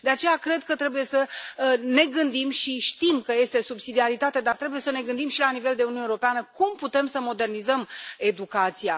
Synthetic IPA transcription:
d̪e̞at͡ʃe̞jakɾe̞d̪kət̪ɾe̞buje̞səne̞ɡɨnd̪imʃiʃt̪imkəje̞st̪e̞subsid̪iaɾit̪at̪ed̪art̪ɾe̞buje̞səne̞ɡɨnd̪imʃilanive̞ld̪eununeeoɾo̞peanəkumput̪e̞msəmo̞d̪e̞rnizəme̞d̪ukat̪sija

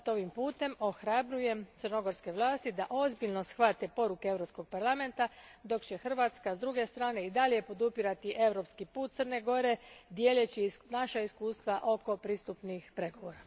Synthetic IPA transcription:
t̪o̞ʋimpuːt̪e̞mo̞xɾabɾuje̞mt̪sərno̞ɡo̞ɾske̞ʋlˠaːst̪id̪aʔo̞zbiʎno̞sxʋat̪e̞po̞ɾukee̞ʋɾo̞psko̞ɡ̚paɾlˠame̞nt̪ad̪o̞kt͡ɕe̞xr̩ʋaːt̪skazd̪ɾuɡe̞st̪ɾaːne̞id̪aʎʲje̞po̞d̪upiɾat̪iʔe̞ʋɾo̞pskipuːt̪t̪sərne̞ɡo̞ɾe̞d̪je̞ːʎet͡ɕinaʃaiskuːst̪ʋaʔo̞ko̞pɾiːst̪upnixpɾeɡo̞ʋo̞ːɾa

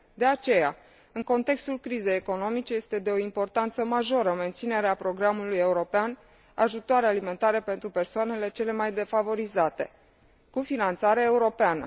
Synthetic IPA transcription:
d̪e̞at͡ʃe̞ja̰ | ɨŋko̞nt̪e̞kst̪ulkɾize̞jeko̞no̞mit͡ʃe̞je̞st̪ed̪e̞o̞impo̞rt̪ant̪səmaʒo̞ɾəme̞nt̪sine̞ɾeapɾo̞ɡɾamuluje̞uɾo̞pean | a̰ʒut̪oaɾealime̞nt̪aɾepe̞nt̪ɾupe̞rsoane̞le̞t͡ʃe̞le̞majd̪e̞favo̞ɾizat̪e̞̰ | kufinant̪saɾeeuɾo̞peanə̰

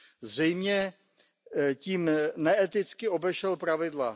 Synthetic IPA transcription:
zr̝ɛjmɲɛ | ciːmnɛɛt̪ɪt͡skɪo̞bɛʃɛlpɾavɪdla

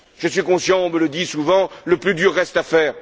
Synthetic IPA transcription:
ʒ̥əsɥikɔ̃sjɑ̃ɔ̃mələd̪isuvɑ̃ləplyd̪yʁːɛst̪afɛːʁ

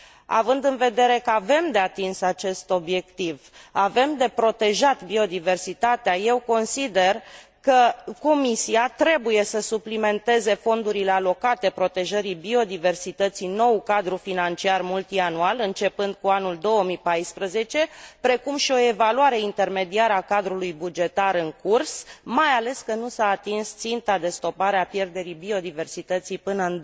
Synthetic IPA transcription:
a̰vɨnd̪ɨnve̞d̪e̞ɾe̞kəave̞md̪e̞at̪insat͡ʃe̞st̪o̞bje̞kt̪ivave̞md̪e̞pɾo̞t̪e̞ʒat̪bio̞d̪ive̞rsit̪at̪eaje̞wko̞nsid̪e̞r | kəko̞misiat̪ɾe̞buje̞səsuplime̞nt̪e̞ze̞fo̞nd̪uɾilealo̞kat̪e̞pɾo̞t̪eʒəɾibio̞d̪ive̞rsit̪ət̪sino̞wkad̪ɾufinant͡ʃiarmult̪ianualɨnt͡ʃe̞pɨnd̪̥̚kuanuld̪o̞əmipajspɾəze̞t͡ʃe̞pɾe̞kumʃio̞evaluaɾe̞int̪e̞rme̞d̪iaɾəakad̪ɾulujbud͡ʒe̞t̪aɾɨŋkursmajale̞skənusaːt̪inst̪sint̪ad̪e̞st̪o̞paɾeapje̞rd̪e̞ɾibio̞d̪ive̞rsit̪ət̪sijpɨnəɨn

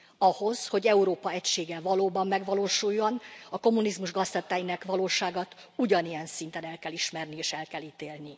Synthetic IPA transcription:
ɒho̞zho̞ɟɛuɾoːpɒɛcʃeːɡɛlvɒloːbɒmːɛɡʋɒloːʃujːo̞nɒko̞mːunizmuʒɡɒzst̪ɒt̪aːjinɛkʋɒloːʃaːɡɒt̪ | uɟɒnijɛnsint̪ɛnɛlkɛliʃmɛrnieːʃɛlkɛlit̪eːlni

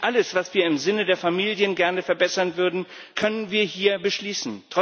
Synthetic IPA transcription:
ʔaləsv̥asv̥iːɐɪmzɪnədeːɐfamiːljənɡɛɐnəfɛɐbɛsɐnvʏɐdn̩kʰœnənviːɐhiːɐbəʃliːsn̩tʁ̥ɔ

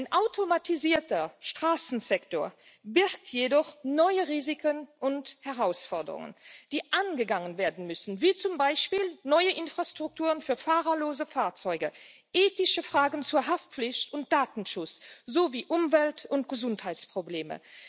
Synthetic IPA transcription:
aɪnʔaʊtʰomatʰiziːɐtɐʃtʁ̥aːsn̩zɛktoːɐ | bɪʁk̚tʰjedɔχnɔʏəʁiːzikʰənʔʊnthɛʁaʊsfɔɐdə̰ʁʊ̰ŋə̰nd̥iːʔanɡəɡaŋənveːɐdn̩mʏsn̩viːt͡sʊmbaɪʃpiːlnɔʏəʔɪnfʁ̥astʁ̥ʊk̚tʰuːʁənfyːɐfaːʁɐloːzəfaːɐt͡sɔʏɡə | ʔeːtɪʃəfʁ̥aːɡənt͡suːɐɦaftp͡flɪçtʊnt̚d̥aːtn̩ʃʊt͡sz̥oːviːʔʊmvɛltʊnt̚ɡ̥əzʊnthaɪt͡spʁ̥obleːmə̰

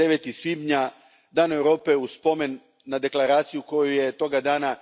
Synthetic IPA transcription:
eʋet̪isʋiːbɲa | d̪aːnoe̞vɾo̞ːpe̞uspo̞me̞nː | ad̪e̞klˠaɾaːt̪sijuko̞juje̞t̪o̞ɡad̪aːna

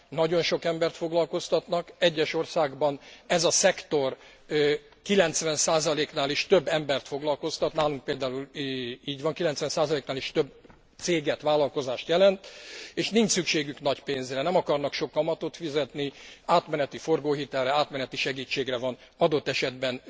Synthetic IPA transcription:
nɒɟo̞nʃokɛmbɛrt̪fo̞ɡlɒlko̞st̪ɒt̪nɒkɛɟːɛʃo̞rsaːɡbɒnɛzɒsɛkt̪o̞r | kilɛnt̪sʋɛnsaːzɒleːknaːliʃt̪øbːɛmbɛrt̪fo̞ɡlɒlko̞st̪ɒt̪naːluŋk̚peːld̪aːuliːɟʋɒŋkilɛnt̪sʋɛnsaːzɒleːknaːliʃt̪øb̚ | t̪seːɡɛt̪ʋaːlɒlko̞zaːʃt̪jɛlɛnt̪eːʃniɲt͡ʃsykʃeːɡyknɒcpeːnzrɛnɛmɒkɒrnɒkʃo̞kːɒmɒt̪ot̪fizɛt̪niaːt̪mɛnɛt̪ifo̞rɡoːɦit̪ɛlːɛaːt̪mɛnɛt̪iʃɛɡiːt͡ʃːeːɡrɛvɒn | ɒd̪o̞t̪ːɛʃɛd̪bɛn

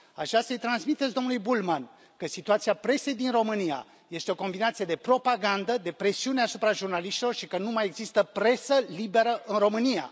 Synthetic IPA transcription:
a̰ʃasəjt̪ɾansmit̪e̞t̪sʲd̪o̞mnlujbulman | kəsit̪uat̪siapɾe̞se̞jd̪inro̞mɨnija̰ | je̞st̪eo̞ko̞mbinat̪sije̞d̪e̞pɾo̞paɡand̪əd̪e̞pɾe̞siune̞asupɾaʒurnaliʃt̪ilo̞rʃikənumaje̞ɡzist̪əpɾe̞səlibe̞ɾəʔɨnro̞mɨnija̰

